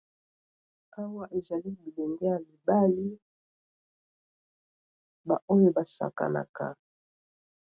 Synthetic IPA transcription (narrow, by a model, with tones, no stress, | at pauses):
a˦wa˦ʔe˨za˨li˦bu˨le˨ŋɡe˦ja˨mi˨ba˦li˦ | ba˨ʔo˦jo˦ba˨sa̰˨ka̰˨na̰˨ka̰˨